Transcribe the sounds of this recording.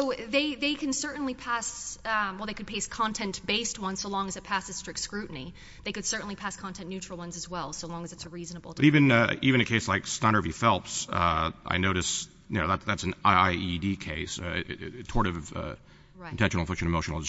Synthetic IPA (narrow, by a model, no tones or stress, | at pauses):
oʊðeɪðeɪkʰɨ̃n̩sɜ˞ʔn̩lipʰæswɛlˠðeɪkɨd̚pʰeɪskʰɑ̃ntʰɛ̃nb̥eɪst̚wʌ̃nz̥soʊlɔ̃ŋɨzɨt̚pʰæsɨz̥stɹ̥ɪk̚tskɹʉʔn̩i | ðeɪkɨd̥sɜ˞ʔn̩lipʰæskʰɑ̃ntʰɛ̃nːʉt͡ʃɹ̥l̩ˠwʌ̃nzɨzwɛlˠsoʊlɔ̃ŋɨzɨtsəɹiznəbl̩ˠʌɾivɨ̃nʌivɨ̃ñɨkʰeɪslaɪkstɑ̃ñə˞vifɛlˠpsʌʔa̰ɪnoʊɾɨs | jɨnoʊðætðætsn̩aɪaɪidikʰeɪsʌtʰɔɹɾɨvvʌ̰ | ãn̩tʰɛ̃nʃnl̩ˠfɪkʃɨ̃ñɨmoʊʃn̩l̩ˠ